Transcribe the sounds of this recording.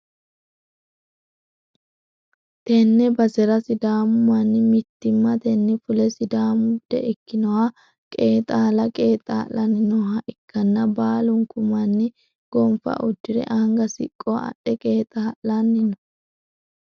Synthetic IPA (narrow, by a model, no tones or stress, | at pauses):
t̪ɛnːɛbɐsɛɾɐsɪd̪aːmʊmɐnːɪmɪt̪ːɪmːɐt̪ɛnːɪfʊlɛsɪd̪aːmʊd̪̥ɛ̰ʔɪkːɪnɔwaː | kʼeːt̪ʼaːlɐkʼeːt̪ʼa̰ːlɐnːɪnɔhɐʔɪkːɐnːɐbaːlʊŋkʊmɐnːɪ | ɡ̥ɔmfɐ̰ʔʊd͡ʒːɪɾɛ̰ʔaŋɡɐsɪ̰kʼːoɐ̰ɗɛkʼeːt̪ʼaːʔɐnːɪnɔ̥